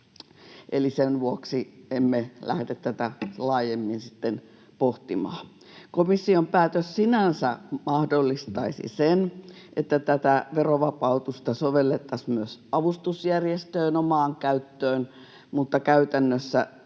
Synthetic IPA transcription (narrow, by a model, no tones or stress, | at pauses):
ʔelisenʋuoksiemːelæ̰hdet̪t̪æt̪ælɑːjemːinsi̥t̪ːen | poht̪imɑ̰ː | komisːiompæːt̪øssinænsæmɑhdolːist̪ɑisḭsenʔet̪ːæt̪æt̪æʋeroʋɑpɑut̪ust̪ɑsoʋelːet̪ːɑsmyøsɑʋust̪usjærjest̪øːnomɑːŋkæyt̪ːøːn | mut̪ːɑkæyt̪ænːøsːæ